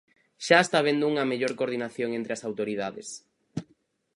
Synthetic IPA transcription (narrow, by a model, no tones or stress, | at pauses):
ʃaest̪aβ̞end̪ʊuŋɐmeʎoɾkoɾðinaθjoŋẽnt̪ɾeɐsawt̪oɾið̞aðḛs